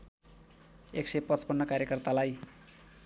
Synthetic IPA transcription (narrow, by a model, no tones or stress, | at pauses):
eksepʌt͡spʌnːʌkaɾjekʌrt̪alaj